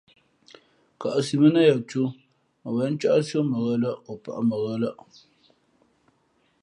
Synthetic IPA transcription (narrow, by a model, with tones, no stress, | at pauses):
ka˨ʔa˨si˨mə˦na˦ja˨t͡ʃu˦ | a˨wɛ˨˦n˦t͡ʃa˦ʔa˦so˦mə˨ɣə˦la˦o˨pa̰˨ʔa˦mə˨ɣə˦la˦